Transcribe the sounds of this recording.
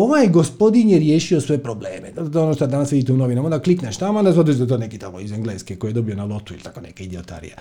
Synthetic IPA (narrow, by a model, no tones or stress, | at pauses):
oʋajɡo̞spo̞d̪injeɾjeːʃiosʋeepɾoblḛːmed̪t̪oonoʃt̪od̪anasʋid̪iːt̪ɛunoʋinamond̪aklikneʃt̪amoand̪azod̪it͡ʃd̪at̪oːnekit̪amoizeŋɡleːskeko̞jijed̪o̞bionalˠo̞t̪uilʲt̪akonekeid̪iot̪a̰ɾḭja